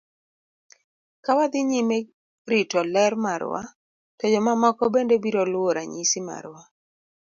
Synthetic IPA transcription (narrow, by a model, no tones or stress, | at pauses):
kawad̪ɪɲime | ɾitɔlɛɾmaɾwa̰ | tɔd͡ʒɔmamɔkɔbendebiɾɔlwoɾaɲisima̰ɾwa